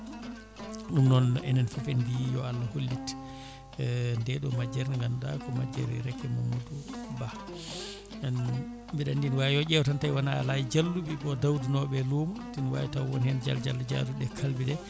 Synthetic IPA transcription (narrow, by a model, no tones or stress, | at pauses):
ɗumnɔnɛnɛnfafɛndijɔ̰alːaholːit | ndɛɗɔmad͡ʒɛɾniŋɡanɗa̰kɔmad͡ʒɛ̰ɾiɾɛkːɛmamuduba | n | mbiɗandinwajɔʄɛwtantajwanalajd͡ʒalːuɓiɓɔdawdinɔɓɛlumtinwa̰jtawwɔnhɛnd͡ʒa̰ld͡ʒa̰lːd͡ʒa̰duɗɛkʰalbidɛ